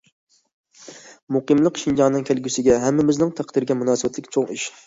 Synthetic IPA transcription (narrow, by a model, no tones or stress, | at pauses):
muqəmlˠəqʃind͡ʒɑŋnɨŋkʲʰælɡʲysɪɡʲɛɦɛmːɪmɪznɪŋt̪ʰæqd̪iɾɡʲɛmunɑːsɨbɛt̪lɪkʲt͡ʃʰoŋiʃ